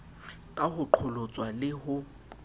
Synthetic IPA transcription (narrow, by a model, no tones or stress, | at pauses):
kʼahʊǃʰʊlʊt͡sʼwalɪhʊ